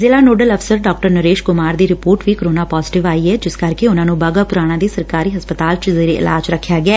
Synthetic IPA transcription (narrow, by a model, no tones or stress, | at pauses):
zɪlaːnoːɖələfʰsəɾɖaːk̚ʈəɾnəɾeːʃkʊmaːɾd̪iːɾɪpoːɾʈʋiːkəɾoːnaːpɔːzɪʈɪʋaːiːɛːd͡ʒɪskəɾkeʊnãːnũːbaːɡaːpʊɾaːɽ̃ãːd̪iːsəɾkaːɾiːɦəspət̪aːlt͡ʃzeːɾeʔɪ̰la̰ːd͡ʒɾəkʰːjaːɡɪɛː